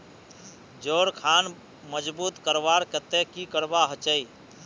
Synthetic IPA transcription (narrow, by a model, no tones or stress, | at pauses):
d͡ʒoɾkʰan | məd͡ʒbut̪kəɾbaɾkət̪ekikəɾbaɦət͡ʃəj